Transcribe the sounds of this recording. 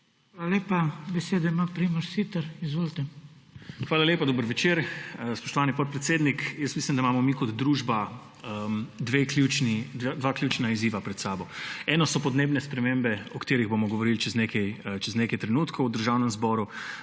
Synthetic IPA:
xʋalaleːpabɛseːd̪ɔimapɾiməɾsit̪əɾizʋolt̪ɛ | xʋaːlaljeːpad̪obəɾʋɛt͡ʃeːɾspɔ̥ʃt̪ɔʋaːnipɔt̪̚pɾɛt̪seːd̪nikjəst̪mislimd̪amaːmɔmikɔd̪ːɾuːʒba | əd̪ʋeklʲjut͡ʃnid̪ad̪ʋaklʲut͡ʃnaiziːʋapɾɛt̪saːbɔɛːnɔsɔpɔd̪neːbnɛspɾɛmembɛɔkt̪eːɾiɣbomɔɡoɔʋɔɾilt͡ʃɛznekɛjt͡ʃɛzneːkɛjt̪ɾɛnuːt̪kʰɔwd̪əɾʒaːwnɛmzbɔɾu

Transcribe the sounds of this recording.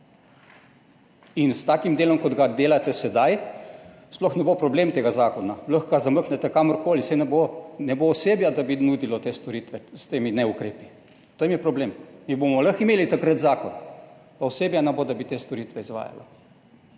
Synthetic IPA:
inst̪aːkimd̪eːlɔmkɔd̪ɡad̪eːlat̪ɛsɛd̪aj | splɔxnɛbopɾɔbleːmt̪eːɡazaːkɔnaləxɡazaməknɛt̪ɛkaməɾkoːlisɛjnɛbonɛboːseːbjad̪abinud̪ilɔt̪est̪ɔɾit̪ʋɛst̪eːminɛukɾeːpi | t̪oimjɛpɾɔbleːmmibomɔləximeːlit̪akɾət̪zaːkɔn | paɔseːbjanɛbod̪abit̪eːst̪ɔɾit̪ʋɛizʋa̰ːja̰la̰

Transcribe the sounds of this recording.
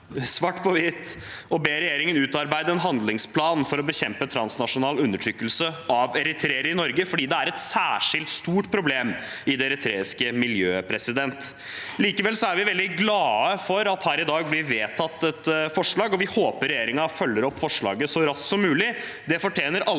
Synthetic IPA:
sʋɑʈːpʰɔʋɪt̪ | ɔbeːɾɛjeːɾɪŋənʉːt̪ɑɾbæɪd̪əɛnɦɑnd̪lɪŋspʰlɑːnfɔɾɔbəçɛmpət̪ʰɾɑnsnɑʂʊnɑːlʉnːəʈʰɾʏkːəlsəʔɑʋɛɾɪt̪ʰɾeːəɾəɾɪnɔɾɡəfɔɖiːd̪ɛæɾɛt̪sæːʂɪlt̪st̪uːʈpʰɾʊbleːm | ɪd̪ɛɾɪt̪ʰɾeːɪskəmɪljøːpʰɾɛsɪd̪ɛnt̪ | liːkəʋɛlsɔæɾʋɪʋɛld̪ɪɡlɑːəfɔɾɑt̪hæːɾɪd̪ɑːɡ̚blɪʋeːt̪ʰɑt̪ːɛt̪fɔʂɭɑːɡɔʋɪhoːpəɾɛjeːɾɪŋɑfœlːəɾɔpːfɔʂɭɑ̰ːɡəsɔɾɑsksɔmːʉːlɪ | d̪ɛfɔʈʰjeːnəɾʔɑ

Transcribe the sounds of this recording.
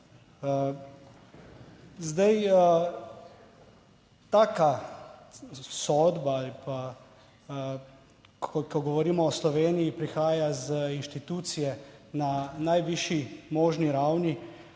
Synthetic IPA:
zd̪ajə | t̪aːka | sɔd̪baalipa | kʰɔkɔɡɔʋɔɾiːmɔːslɔʋeːnijipɾixaːjazinʃt̪it̪uːt̪sijɛnanajʋiʃimɔːʒniɾawni

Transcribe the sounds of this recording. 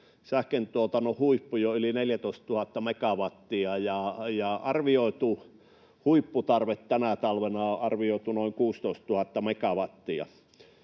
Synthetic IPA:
sæhkent̪uot̪ɑnohuipːujoylineljæt̪oˑist̪t̪uhɑt̪ːɑmekɑʋɑt̪ːiɑjɑjɑɑrʋioˑit̪u | huipːut̪ɑrʋet̪tænæt̪ɑlʋenɑoʔɑrʋioˑit̪unoˑiŋkuːst̪oˑist̪tuhɑt̪ːɑmekɑʋɑt̪ːiɑ̰

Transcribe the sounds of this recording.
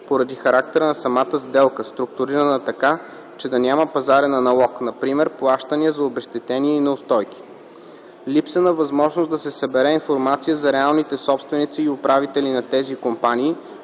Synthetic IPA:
poɾɐd̪ixɐɾak̚t̪ɛɾənɐsɐmat̪əzd̪ɛlˠkəst̪ɾʊk̚t̪ʊɾiɾənət̪ɐka | t͡ʃɛd̪ɐnʲaməpɐzaɾɛnɐnɐlˠɔknɐpɾimɛɾplˠaʃt̪əniəzɐobɛʃt̪ɛt̪ɛniɛinɐʊst̪ɔjkʲi̥ | lipsənəvɐzmɔʒnʊsd̪ɐsɛsɐbɛɾɛinfoɾmat̪sijəzɐɾɛalˠnit̪ɛsɔpst̪vɛnit̪siːʊpɾavit̪ɛlinɐt̪ɛzikompanʲiː

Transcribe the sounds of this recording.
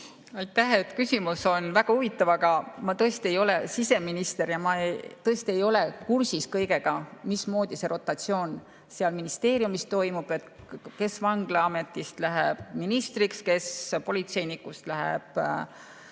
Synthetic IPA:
ɑjt̪ːæhe̞t̪kysʲimuso̞nvæɡ̥ɑhuvit̪ːˑɑvɑɡɑmɑt̪ɤest̪ie̞jo̞le̞sise̞minist̪e̞ɾjɑmɑet̪ɤest̪ie̞jo̞le̞kursiskɤjɡe̞ɡ̥ɑmismo̞ːd̪̥ise̞ɾʔo̞t̪ːˑɑt̪sio̞ːn | seɑlminist̪e̞ːɾjumist̪t̪o̞jmub̥et̪ | ke̞svɑŋɡ̥lɑɑme̞t̪ːˑist̪læɦeb̥̚minist̪rikske̞spo̞lʲit̪se̞jnikːˑust̪læɦḛb̥

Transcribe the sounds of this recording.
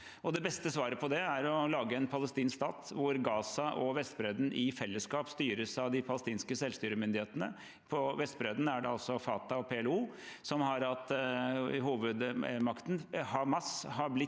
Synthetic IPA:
ɔd̪ɛbɛst̪əsʋɑːɾəpʰɔd̪ɛæɾɔlɑːɡəɛnpʰɑləst̪iːnkst̪ɑːt̪ʋʊɾɡɑːsɑʔɔʋɛst̪bɾeːd̪nʔɪfɛlːəskɑːpst̪yːɾəsɑʋd̪ɪpʰɑləst̪iːnskəsɛlst̪yːɾəmʏnd̪ɪheːt̪ənə | pʰɔʋɛst̪bɾed̪næɖɛɑlsɔfɑːt̪ɑɔpʰeːɛluː | sɔmɦɑɾɑt̪ | ɦuːʋəd̪mɑkt̪n̩hɑmɑsɦɑɾblɪ

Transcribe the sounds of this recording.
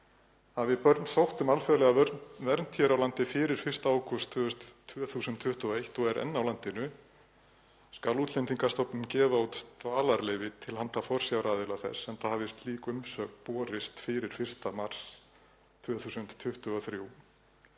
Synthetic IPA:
haðvɪðpœɾt̪nsawht̪ʏmalfɛɾlɛɣavɛɾnt̪ʰçɛɾawlant̪ɪfɪːɾɪɾ̥fɪr̥st̪aaːwkʰɔst̪ʰːœʏst̪t̪ʰːvœθuːsʏnt̪ʰːʏht̪ʏɔejht̪ɔɣɛɾʔɛ̰nːawlant̪ɪnʏ | skaluːt̪lɛnt̪iŋkast̪ɔwpnɪmcɛːvaut̪t̪vaːlaɾlɛːjvɪt̪ʰɪlhant̪afɔr̥sjawɾaːðɪlaθɛ̰sɛnθaðhavðɪst̪liːkʏmsœːkpɔːɾɪst̪fɪɾɪɾ̥fɪr̥st̪amar̥s | t̪ʰvœːθuːsʏnt̪ʰːʏht̪ʏɔθɾjuw

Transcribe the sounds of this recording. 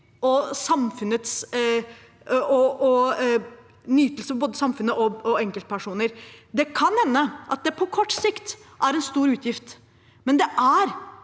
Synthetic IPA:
ɔsɑmfʉnət̪s | ʔɔɔ | nyːt̪əlsəfɔboːd̪əsɑmfʉnːəʔɔɔɛŋkəlt̪əpʰæʂuːnəɾd̪ɛkʰɑnhɛnːəʔɑt̪̚d̪ɛpʰɔkʰɔʈːsɪkt̪ʔæɾɛnst̪uːɾʉːt̪ʰjɪft̪ | mɛnd̪ɛʔæɾ

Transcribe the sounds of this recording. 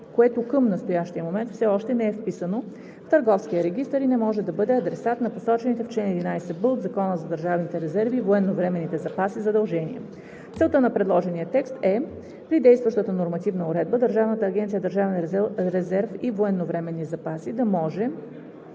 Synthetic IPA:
koɛt̪okəmnɐst̪ojaʃt̪ijəmomɛnt̪fsɛɔʃt̪ɛnɛɛfpisəno | ft̪əɾɡɔfskiəɾɛɡ̟ist̪əɾinɛmɔʒɛd̪ɐbɤd̪ɛɐd̪ɾɛsat̪nɐposɔt͡ʃɛnit̪ɛft͡ʃlɛnɛd̪inajsɛbəod̪zɐkɔnəzɐd̪əɾʒavnit̪ɛɾɛzɛɾvivoɛnːovɾɛmɛnit̪ɛzɐpasizɐd̪ɐlˠʒɛnḭɛ̰ | t̪sɛlˠt̪ənɐpɾɛd̪lˠɔʒɛniət̪ɛkst̪ɛ | pɾid̪ɛjst̪vɐʃt̪ət̪ənoɾmɐt̪ivnəʊɾɛd̪̚bəd̪əɾʒavnət̪əːɡʲɛnt̪siəd̪əɾʒavɛnɾɛzɛɾfivoɛnːovɾɛmɛnːizɐpasid̪ɐmɔʒɛ

